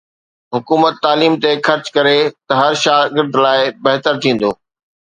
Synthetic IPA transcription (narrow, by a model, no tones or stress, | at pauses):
ɦʊkuːmət̪ːaːliːmt̪exɐɾt͡ɕkɐɾet̪ɐɦɐɾʃaːɡɪɾd̪laːɪbɐɦt̪əɾt̪ʰĩːn̆d̪oː